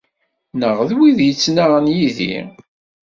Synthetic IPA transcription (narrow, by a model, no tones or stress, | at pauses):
nəʁðwiðjət͡sːnaʁnjiðḭ